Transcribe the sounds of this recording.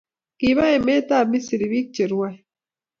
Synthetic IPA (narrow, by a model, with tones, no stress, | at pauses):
ki˨βa˦e˨me˦t̪a˦˨mi˦si˨ɾi˨βi˦k̚t͡ʃe˨ɾwa˦˨